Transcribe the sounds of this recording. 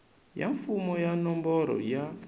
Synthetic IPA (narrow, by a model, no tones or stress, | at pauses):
ja̰ɱfumɔjanɔmbɔɾɔ̰ja